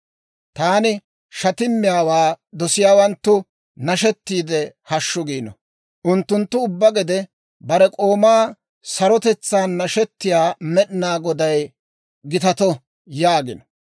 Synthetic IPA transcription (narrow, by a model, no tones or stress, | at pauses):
t̪aːnɪ | ʃɐt̪ɪmːɪjaːwaː | d̪ɔsɪjaːwɐnt̪ːʊ | nɐʃɛt̪ːiːd̪ɛhɐʃːʊɡiːnɔ̰ | ʔʊnt̪ːʊnt̪ːʊʊbːɐɡɛd̪ɛ | bɐɾɛkʼo̞ːmaː | sɐɾɔt̪ɛt͡sːaːnːɐʃɛt̪ːɪjaːmɛɗnaːɡɔd̪ɐj | ɡɪt̪ɐt̪ɔ | jaːɡɪnɔ̥